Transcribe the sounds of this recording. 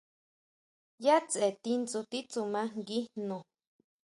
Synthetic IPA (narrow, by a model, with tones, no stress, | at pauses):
ja˦t͡se˨t̪i˦nt͡su˧t̪i˦t͡su˨mã˦ŋɡi˦nõ˨